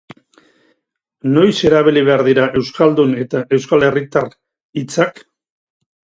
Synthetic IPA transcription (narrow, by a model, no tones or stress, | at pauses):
no̞jse̞ɾaβiliβ̞e̞aɾðiɾaʔe̞wskald̪une̞t̪aʔe̞wskale̞rit̪ar | it͡sak